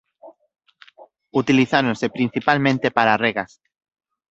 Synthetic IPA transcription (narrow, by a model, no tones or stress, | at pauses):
ut̪iliθaɾonsepɾin̟θipalmẽnt̪epaɾareɣas